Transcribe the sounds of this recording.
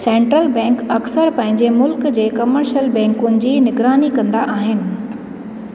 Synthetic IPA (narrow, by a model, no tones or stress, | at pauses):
sɛ̃ːɳʈɾəlbɛ̃ːŋkɐksəɾpɐ̃ɦɪ̃ɲ̆d͡ʑemʊlkd͡ʑeːkɐməɾʃəlbɛ̃ːŋkʊnɪ̆d͡ʑiːnɪɡɾaːnikɐ̃nd̪aʔaːɦɪnɪ̆